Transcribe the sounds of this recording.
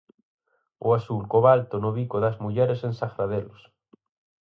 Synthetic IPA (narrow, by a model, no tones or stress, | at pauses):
ʊasulkoβalt̪onoβikoðazmuʎɛɾesẽnsaɣɾaðelos